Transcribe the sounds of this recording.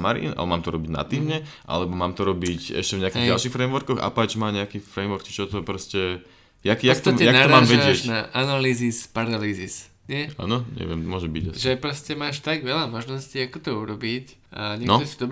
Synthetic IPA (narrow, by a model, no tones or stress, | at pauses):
maɾḭnʔa̰lɛ̰bmaːmt̪ɔɾɔbiɟna̰t̪iːmɲɛʔa̰lɛbɔmaːmt̪ɔɾɔbicɛ̰ʃcɛvɲɛakiɣɟalˠʃixfɾɛmʋɔɾkɔɣa̰pat͡ʃmaːɲɛakifɾɛjmʋɔɾki̥t͡ʃɔt̪ɔpɾɔscɛ | jakjat̪ijak̪naɔɾamaːmʒʋɛɟɪɛʃcnaʔanaliːzispaɾalizis | ɲɛa̰ːnɔɲɛ̰ʋɪɛmmʊɔʒɛbiɟsʒɛpɾɔscɛmaːʃt̪aɡʋɛlamɔʒnɔsciakɔt̪ɔuɾɔbic | ʔaɲɛnɔd̪ɔsid̪ɔb